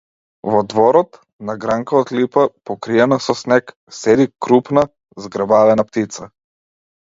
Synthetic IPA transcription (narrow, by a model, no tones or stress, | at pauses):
vɔd̪vɔɾɔt̪ | naɡɾaŋkaɔt̪lipapɔkɾijanasɔsnɛk | sɛd̪ikɾupna | zɡɾbalɛnapt̪it̪sa